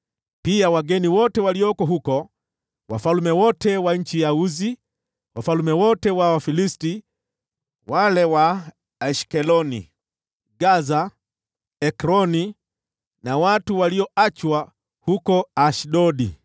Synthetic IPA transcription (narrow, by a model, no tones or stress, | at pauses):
piawaɡɛniwɔtɛwaliɔkɔɦukɔ | wa̰falumɛwɔtɛwaɲ̩t͡ʃijauzi | wafalumɛwɔtɛwawafilisti | walɛwa | aʃkɛlɔnḭ | ɡaza | ɛkɾɔni | nawatuwaliɔat͡ʃwa | hukɔaʃɗɔɗḭ